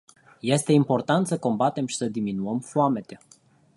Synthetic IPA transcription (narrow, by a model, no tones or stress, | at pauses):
je̞st̪e̞impo̞rt̪ant̪səko̞mbat̪e̞mʃi̥səd̪iminuəmfoame̞t̪e̞